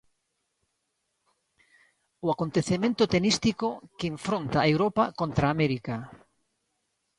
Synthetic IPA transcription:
ʊakont̪eθemẽnt̪ʊt̪enist̪ikokeːɱfɾont̪aewɾopakont̪ɾaːmeɾika

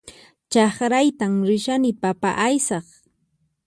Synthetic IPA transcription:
t͡ʃɑχɾajt̪amɾɪʃanɪpapa̰ʔajsɑχ

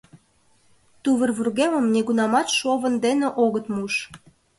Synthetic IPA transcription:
t̪uβərβurɣeməmneɣunɑmɑt̪ʃoβənd̪eneʔoɣət̪muʃ

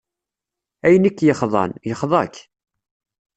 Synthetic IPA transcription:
æjənikːjəχðˤɑ̰njəχðˤɑkː

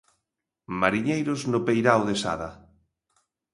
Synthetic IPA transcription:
maɾiɲejɾʊznʊpejɾawðesa̰ða

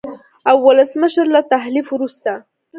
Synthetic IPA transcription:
awːalasməʃaɾlat̪aɦlifɾust̪a

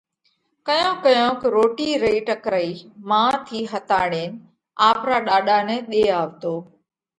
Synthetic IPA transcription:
kəjõːkəjõːkɾoːʈiːɾeiːʈəkɾəiːmãːt̪ʰiːɦət̪aːɽeːn | aːpɾaːɗaːɗaːnɛ̃ːɗeːaːʋt̪oː

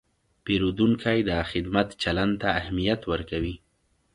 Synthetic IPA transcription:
peɾud̪uŋkʰajd̪əxɪd̪mat̪t͡ʃaland̪t̪aːhmijat̪wəɾkawi

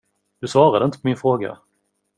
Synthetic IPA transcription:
d̪̥ɵsvɑːɾad̪əɪnt̪ə̥pʰɔmɪnfɾoːɡa̰

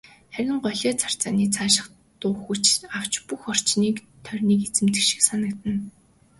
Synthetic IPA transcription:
χæɾʲɪ̆ɴɢɔɮʲeːt͡sʰar̥t͡saːniːt͡sʰaːʃɪ̆χ | t̪ʊːχujt͡ɕaw̥t͡ɕpuxɔr̥t͡ɕniːk | t̪ʰœrʲniːket͡sɘ̆mt̪ɘ̆kʃĭ̥ksanə̆kt̪ɘ̆n

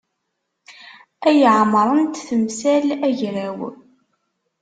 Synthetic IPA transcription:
æjʕmɾˤənt̪θəmsælæʝɾæw

